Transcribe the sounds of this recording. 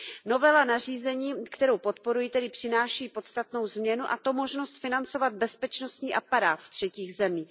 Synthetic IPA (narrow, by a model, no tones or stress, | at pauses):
no̞vɛlanariːzɛɲiːkt̪ɛɾowpo̞t̪po̞ɾujit̪ɛdɪpr̥ɪnaːʃɛjiːpo̞t̪st̪at̪no̞wzmɲɛnuʔa̰t̪o̞mo̞ʒnost̪fɪnant͡so̞vad̪̚bɛspɛt͡ʃno̞st̪ɲiːʔapaɾaːt̪ft̪r̝̥ɛciːɣzɛmiː